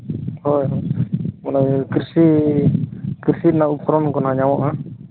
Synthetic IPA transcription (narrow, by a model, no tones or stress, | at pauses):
hɔjɦɔjmɔnɔjkiɾsi | kiɾsit̪̚naupʰɾɔnkɔnɦaɲawɔʔa